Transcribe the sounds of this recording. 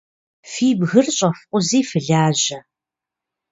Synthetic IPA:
fiːbɣɨrɕʼɐfqʷʼʊziːfɨɮaːʑɐ

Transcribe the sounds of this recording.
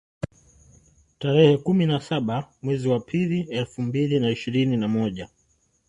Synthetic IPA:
taɾɛhɛkuminasaɓamwɛziwapʰiliɛlfumbilinaiʃiɾininamɔʄa

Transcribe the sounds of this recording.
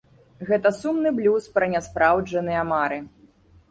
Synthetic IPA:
ɣɛt̪ɐsumnɨblʲuspɾɐnʲɛspɾʔawd͡ʐɐnɨjɐmaɾɨ

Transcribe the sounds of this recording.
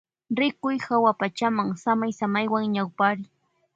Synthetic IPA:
ɾɪkʊjhawapat͡ʃamaŋsamajsamajwaŋɲawpaɾɪ

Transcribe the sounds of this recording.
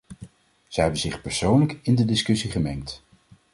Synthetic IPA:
z̥əɦɛbənzɪχpɛɹsownləkɪndədɪskɵsiχəmɛŋt

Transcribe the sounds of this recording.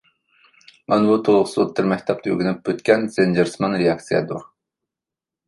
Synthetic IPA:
ɑnbut̪ʰolˠʁʊsɨot̪̚d̪ɨɾmɛkʲt̪ʰɛp̚t̪ɨø̰ɡʲynyp̚bøt̪kʲɛnzend͡ʒɪɾsmɑnɾejɑk̚t̪sɨjɛ̰d̪uɾ

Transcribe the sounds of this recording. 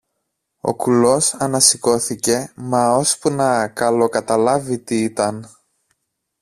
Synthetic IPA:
o̞̰kulo̞sɐnɐsiko̞θice̞mɐo̞spunɐkɐlo̞kɐt̪ɐlɐvit̪iit̪ɐn

